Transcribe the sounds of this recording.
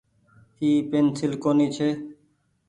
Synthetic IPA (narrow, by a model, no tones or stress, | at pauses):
hiːpeːnsɪlkoːniːt͡ʃʰeː